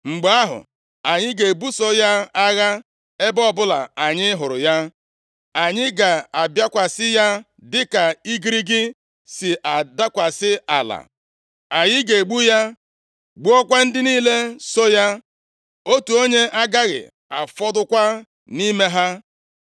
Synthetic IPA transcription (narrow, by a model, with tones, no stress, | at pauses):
ŋ͡m̩˨ɡ͡ba˦ɦʊ̰˨ | a˨ɲɪ˦ɡe˨bu˦so˦ja˦a˦ɣa˦ | e˦bɔ˦bʊ˦la̰˨a˨ɲɪ˦ɦʊ˨ɾʊ˨ja˦ | a˨ɲɪ˦ɡa˨a˨bja˦kʷa˨sɪ˦ja˦ | dɪ˦ka˨i˦ɡi˦ɾi˦ɡɪ˦ | sɪ˨ʔa˨da˦kʷa˨sɪ˦a̰˨la̰˨ | a˨ɲɪ˦ɡe˨ɡ͡bu˦ja˦ | ɡ͡bu˦ɔ˦kʷa˦n̩˦dɪ˦niː˦le˦so˦ja˦ | o˦tu˨o˦ɲe˦ʔa˦ɡa˦ɣɪ̰˨ | a̰˨fɔ˦dʊ˦kʷa˦ | ni˦me˦ɦa˦